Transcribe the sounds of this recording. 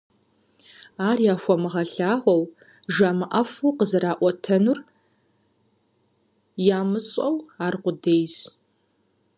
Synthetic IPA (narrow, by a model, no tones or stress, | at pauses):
aːrjaːxʷɔmɨʁɐɬaːʁʷɔw | ʒaːmɨʔɐfuqəzɐɾaːʔʷɔtʰɐnur | jaːmɨɕʼɐwaːrqʷʊdejz